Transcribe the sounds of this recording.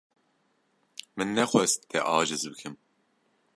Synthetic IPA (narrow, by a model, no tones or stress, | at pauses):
mɨnːɛxwɛst̪ʰɛʔɑːʒɨzbɨkʰɨm